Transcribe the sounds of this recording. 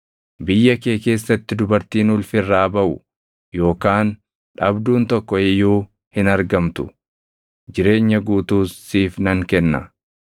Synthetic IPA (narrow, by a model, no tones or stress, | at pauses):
bɪjːɐke̞ːke̞ːsːɐt̪ːɪd̪ʊbɐɾt̪iːnʊlfɪrːaːbɐʔʊ | jo̞ːkaːn | ᶑɐbd̪uːnt̪ɔkːɔɪjuː | hɪnɐɾɡɐmt̪ʊ̥ | d͡ʒɪɾe̞ːɲːɐɡuːt̪uːsiːfnɐŋkɛnːɐ